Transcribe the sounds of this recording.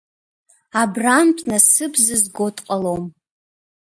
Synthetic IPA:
abramtʰʼnasɨbʰzɨzɡotʼqʼalom

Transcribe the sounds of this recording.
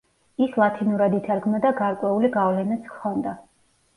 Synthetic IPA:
islˠat̪ʰinuɾad̪it̪ʰaɾɡmɔd̪aɡaɾkʼwɛuliɡavlɛnɛt̪sʰkʰɔnd̪a

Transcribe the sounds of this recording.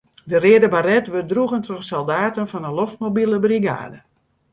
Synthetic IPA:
dərɪədəbarɛtʋərdruɣəntroxsolˠdaːtənfɔnəloftmobilˠəbriɡa̰ːdə

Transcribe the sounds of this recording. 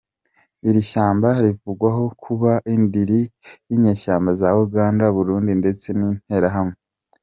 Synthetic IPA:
iɾiʃaːmbaɾivuɡwaɦo̞kʰuβaʔindiɾijiɲe̞ːʃaːmbazauɡaːndaβuɾuːndinde̞t͡se̞nin̥he̞ɾaɦamŋe

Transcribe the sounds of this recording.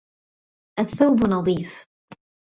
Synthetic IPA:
ʔaθːawbnɑðˤiːf

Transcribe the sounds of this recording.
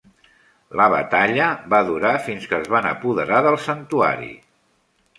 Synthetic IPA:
ləβə̰t̪aʎəβaðuɾafinskəzβanə̰puðəɾaðəlˠsənt̪ua̰ɾḭ

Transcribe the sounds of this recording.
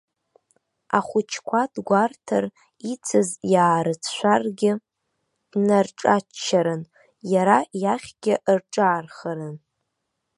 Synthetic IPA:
a̰χʷʊt͡ʃʰkʷʰadɡʷartʰar | it͡sʰɨzjaːɾɨt͡sʰʃʷarɡʲɪ | d̥narʈ͡ʂʼaːaɾɨn | jaɾajaχʲɡʲɪʔrʈ͡ʂʼaːrχaɾɨn

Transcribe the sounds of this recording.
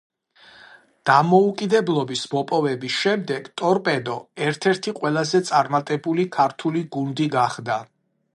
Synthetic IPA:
d̪̥amɔukʼid̪ɛblˠɔbismɔpʼɔvɛbisʃɛmd̪ɛɡ̥t̪ʼɔɾpʼɛd̪ɔɛɾt̪ʰɛɾt̪ʰiqʼwɛlˠazɛt̪sʼaɾmat̪ʼɛbulikʰaɾt̪ʰuliɡund̪iɡaχd̪a

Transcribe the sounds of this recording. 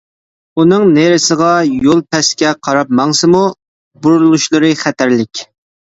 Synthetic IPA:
unɨŋneɾɪsəʁɑjolˠpɛskʲɛqʰɑɾɑp̚mɑŋsɨmu | buɾullˠuʃlˠɨɾɨχæt̪ʰæɾlɪkʲ

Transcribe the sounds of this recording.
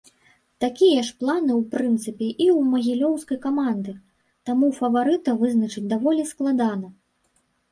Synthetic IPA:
t̪akʲijɐʂplˠanɨwpɾɨnt̪sɨpʲɛʔiwmɐɣʲilʲɔwskɐjkamand̪ɨ | t̪amufɐvaɾɨt̪ɐvɨznɐt͡ʂɨt͡sʲd̪avɔlʲisklˠad̪anɐ

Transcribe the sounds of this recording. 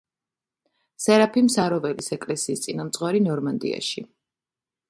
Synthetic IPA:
sɛɾapʰimsaɾɔvɛlisɛkʼlɛsiːst̪sʼinamt̪sʼχʼwaɾinɔɾmand̪ḭa̰ʃi

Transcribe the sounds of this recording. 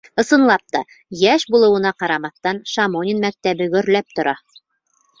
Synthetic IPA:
ɤ̆sɤ̆nlˠɑp̚t̪ɑ | jæʃbulˠɤ̆wɤ̆nɑqɑɾɑmɑθt̪ɑnʃamonʲɪnmæk̚t̪æβɘɡɵ̆ɾlæp̚t̪ŏɾʔɑ

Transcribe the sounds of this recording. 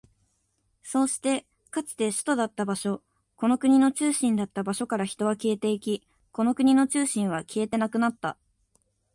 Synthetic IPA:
so̞ːɕi̥t̪e̞ | kat͡sɨ̥t̪e̞ɕɨ̥t̪o̞d̪at̪ːabaɕo̞ | ko̞no̞kɯ̟ɲ̟ino̞t͡ɕɨːɕĩnd̪at̪ːabaɕo̞kaɾaçi̥t̪o̞βake̞ːt̪e̞ːikʲi | ko̞no̞kɯ̟ɲ̟ino̞t͡ɕɨːɕĩɰ̃β̞akʲie̞t̪e̞nakɯ̟nat̪ːa

